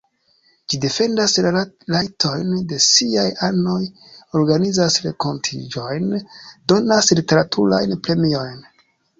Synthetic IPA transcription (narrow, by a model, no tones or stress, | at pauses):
d͡ʒide̞fe̞ndaslajtʰo̞jnde̞siajano̞j | o̞ɾɡanizasɾe̞ko̞ntʰḭd͡ʒo̞jndo̞naslite̞ɾatʰṵɾa̰jnpɾe̞mio̞jn